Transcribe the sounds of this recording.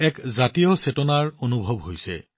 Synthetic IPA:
ɛkzatijɔsetɔnaɹonubʱɔbɦojsɛ̰

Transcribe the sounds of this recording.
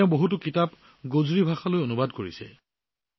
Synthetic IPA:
eʊ̃boɦut̬ʊkitap | ɡozɹibʱaxalojonubadkoɹisɛ̰

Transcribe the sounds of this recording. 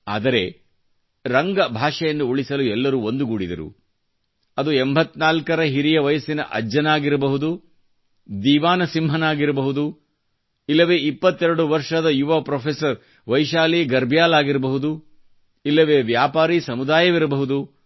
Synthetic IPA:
a̰ːd̪ɐɾe̞ | ɾɐŋɡɐbʱaːʂɐjɐnːuuɭisɐluɛlːɐɾuːond̪uɡuɽid̪ɐɾṵ | ɐd̪uembʱɐt̪ːnaːlkɐɾɐɦiɾijɐʋɐjɐsinɐ̰ʔɐ̰d͡ʒɐnaːɡiɾɐbɐɦud̪u | d̪iːʋaːnɐsimɦɐnaːɡiɾɐbɐɦud̪u | ilːɐʋeːipːɐt̪ːɛɾɐɽuʋɐɾʂɐd̪ɐjuʋɐpɾoːpʰesɐɾ | ʋɐjʃaːliːɡɐɾbʱjaːlaːɡiɾbɐɦud̪u | ilːɐʋeːʋjaːpaːɾisɐmud̪aːjɐʋiɾɐbɐɦud̪u

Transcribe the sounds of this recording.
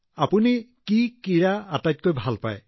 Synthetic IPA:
apunikikiɹaatajt̚kojbʱalpa̰j

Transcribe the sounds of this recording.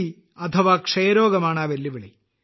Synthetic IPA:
i | ɐt̪ʰɐʋaːkʂɐjɐɾoːɡɐmaːɳaːʋelːiʋiɭi

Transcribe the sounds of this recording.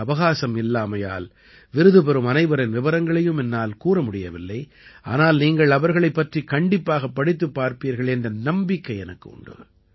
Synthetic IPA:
ɐʋɐɣaːsɐmɪlːaːmɐja̰ːl | ʋɪɾɯðɯpɛɾɯmɐnɐɪʋɐɾɪnʋɪʋɐɾɐŋɡɐɭɐjɯmɛnːaːlkuːɾɐmʊɽɪjɐʋɪlːɐɪ | a̰ːnaːlniːŋɡɐɭɐʋɐɾɣɐɭɐɪpːɐʈrikɐɳɖɪpːaːɣɐpːɐɽɪt̪ːɯpːaːɾpiːɾɣɐɭɛndrɐnɐmbɪkːɐɪɛnɐkːɯʊ̰ɳɖɯ̰

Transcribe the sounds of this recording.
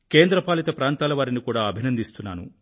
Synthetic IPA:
ke̞ːnd̪ɾɐpaːlit̪ɐpɾaːnt̪aːlɐʋaːɾinikuːɽaːɐbʱinɐnd̪ist̪unːaːnṵ

